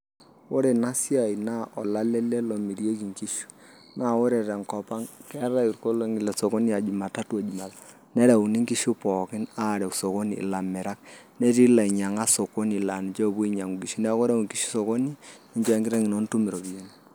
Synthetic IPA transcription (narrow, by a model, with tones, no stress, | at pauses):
o˦ɾe˨na˦sja˨i˨na˦ʔɔ˨la˦lɛ˦le˦lo˨mi˨ɾje˦ki˨ŋki˦ʃu̥˦ | na˦˨wo˦ɾe˨ɾɛ˨ŋkɔ˨pa˦ŋkɛ˦ɾa˦i˨ɾko˦lo˦ŋi˨lɛ˨so˨ko˦ni˦a˨d͡ʒu˨ma˨ta˦tu˦a˨d͡ʒu˨ma˨ta˨ | nɛ˦ɾa˨u˨ni˦ŋki˦ʃu˦pɔ˨kɪ˦na˦˨ɾɛ˨kso˨ko˦nḭː˨la˨mɛ˨ɾa˦k̚ | nɛ˦ɾi˦la˨i˨ɲa˨ŋa˦so˨ko˦ni˨la˨nɪ˨t͡ʃo˦˨bu˦i˦ɲa˨ŋu˨ɡi˨ʃi˦nɛ˦ko˦ɾe˦u˨ŋki˦ʃu̥˦so˨ko˦ni˦ | i˦ɲt͡ʃo˦ɛ˦ŋɡɪ˦ɾɛ˦ŋɪ˨no˦n˦tu˦mi˨ɾo˨bi˨e˦n˦